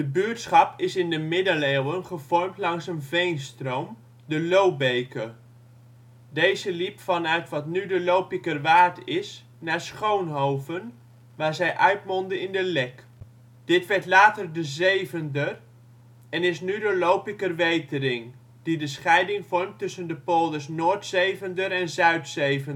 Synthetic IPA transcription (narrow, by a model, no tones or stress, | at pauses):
dəbyːɹtsχɑpɪsɪndəmɪdəleːwənχəvɔɹmtlɑŋsənvejnstrowm | dəlowbejkə | dejzəlipfɑnœɥtʋɑtnydəlowpɪkərʋaːɹtɪs | naːɹsχownɦowvən | ʋaːɹzɛjʔœɥtmɔndəɪndəlɛk | d̥ɪtʋɛɹtlaːtərdəzejvəndər | ɛnɪsnydəlowpɪkərʋejtəɾɪŋ | d̥idəsχɛjdɪŋvɔɹmtɵsəndəpoːlˠdəsnoːɹtsejvəndəɾɛnzœɥtsejvən